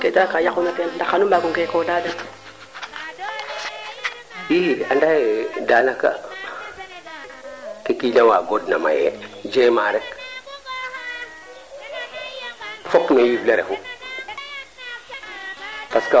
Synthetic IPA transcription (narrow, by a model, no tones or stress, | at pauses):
ketakajakunakendakanumbaɡuŋkekodaden | jihiandaedanaka̰ | kekilawaɡodna̰ma̰jḛd͡ʒemaɾek | fokmejibleɾḛfu | paska